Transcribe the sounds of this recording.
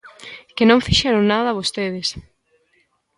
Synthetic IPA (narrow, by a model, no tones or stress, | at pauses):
kɪnõŋfiʃɛɾoŋnaðɐβ̞ost̪eð̞ɪs